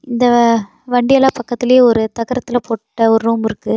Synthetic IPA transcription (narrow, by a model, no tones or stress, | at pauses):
ɪnd̪ɐ | ʋɐɳɖɪjɐlaːpɐkːɐt̪ːɪljeːɔɾɯt̪ɐɣɐɾɐt̪ːɪlɐpoːʈːɐɔɾɯɾuːmɪɾɯkːɯ